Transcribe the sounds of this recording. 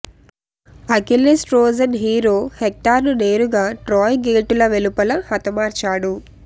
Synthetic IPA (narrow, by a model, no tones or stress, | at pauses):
ɐkilesʈɾoːd͡ʒɐnɦiːɾoːhek̚ʈaːɾnuneːɾuɡaːʈɾɔːjɡeːʈulɐʋelupɐlɐhɐt̪ɐmaːɾt͡ʃaːɽu